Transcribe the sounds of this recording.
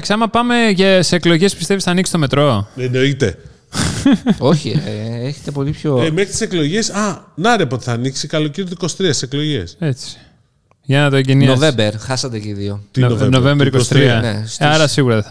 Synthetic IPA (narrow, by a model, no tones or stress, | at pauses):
ksiɐmɐpɐme̞ʝɐseeklo̞ʝe̞spi̥st̪e̞visθɐniksi̥t̪ome̞t̪ɾo̞eno̞it̪e | oçieçet̪e̞po̞lipçoemexɾit̪i̥seklo̞ʝe̞sɐnɐɾepot̪i̥θɐniksikɐlociɾit̪eiko̞si̥t̪ɾiɐsi̥seklo̞ʝeset͡si̥ | ʝɐnɐt̪oeɟeninovebeɾxɐsɐt̪eciðiot̪onovemvɾikost̪ɾiɐesɐɾɐsiɣuɾɐðeɐ